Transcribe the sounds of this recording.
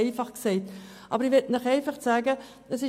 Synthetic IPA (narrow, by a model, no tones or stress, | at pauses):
ɪfɑχksɛɪtʔɑ̰bəɾiʋɪtnəχɛɪfɑχt͡sæːɡə | əsɪ